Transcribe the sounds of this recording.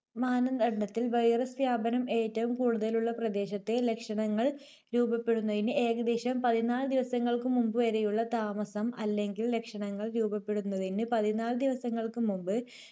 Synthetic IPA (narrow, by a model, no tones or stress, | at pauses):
maːnɐnd̪ɐɖɳɐt̪ːilʋɐjrɐsʋjaːbɐnɐme̞ːtːɐʋumkuːɽuðɐluɭːɐprɐd̪e̞ːɕɐt̪ːe̞le̞kʂɐɳɐŋːɐɭ | ɾuːbɐpːe̞ɽunːɐðinɨe̞ːɣɐd̪eːɕɐmpɐðinaːlɨd̪iʋɐsɐŋːɐɭkɨmumbɨʋɐɾejuɭːɐt̪aːmɐsɐmɐlːe̞ŋɡille̞kʂɐɳɐŋːɐɭɾuːbɐpːe̞ɽunːɐðinɨpɐðinaːld̪iʋɐsɐŋːɐɭkɨmumbɨ